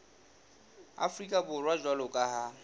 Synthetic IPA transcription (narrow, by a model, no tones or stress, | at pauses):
a̰frikʼabʊrwad͡ʒwalʊkʼaɦa